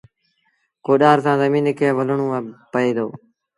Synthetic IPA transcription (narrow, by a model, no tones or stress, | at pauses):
koːɗaːɾsãːzəmiːnkʰeːʋələɳũːpəeːd̪oː